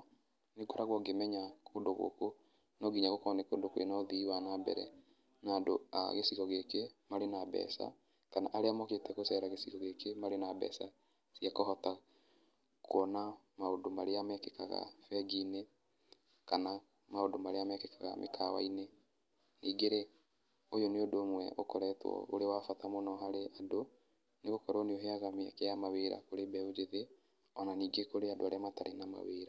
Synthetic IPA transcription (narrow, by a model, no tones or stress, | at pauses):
neɡoɾaɣwɔɡemɛɲakʰondoɣo̰ko | nɔɡiɲaɣokɔnekoːndokwḛnɔðiwanabɛ̰ɾɛ̰ | naːndo̰a̰ɣesiɣɔɣekemaɾenabɛ̰sa̰ | kana̰ʔaɾeamɔketɛɣosɛɾaɣesiɣɔɣekemaɾenabɛ̰sa | sjakɔɦɔta | kʰoɔna | maondomaɾeamɛkɛkaɣa̰fɛɡine | kana | maodomaɾeamɛkɛkaɣa̰mʔḛkʰawa̰ine | niːɡeɾe | ojoneodoːmwɛ̰ʔo̰kɔɾɛtwɔ̰o̰ɾewafatamonɔɦaɾeʔado | neɣokɔɾɔneoɦeaɣamea̰kɛjamaweɾa̰koɾebɛod͡ʒeðe | ɔnaniːɡekoɾeadoaɾeamataɾenama̰wḛːɾa